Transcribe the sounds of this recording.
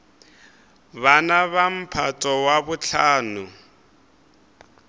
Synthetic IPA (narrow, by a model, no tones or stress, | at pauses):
βanaβam̩pʰa̰tʼɔwaβʊt͡ɬʰaːnʊ